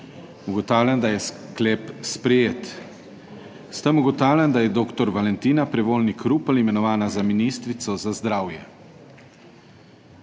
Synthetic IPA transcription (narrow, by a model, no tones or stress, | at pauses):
uɡɔt̪aːwlʲand̪ajɛskleːpspɾɛjeːt̪ | st̪əmuɡɔt̪aːwlʲand̪ajɛd̪oːkt̪ɔɾʋalɛnt̪iːnapɾɛʋoːlnikʰɾuplimɛnɔʋaːnazaminist̪ɾit̪sɔzazd̪ɾaːwjɛ̰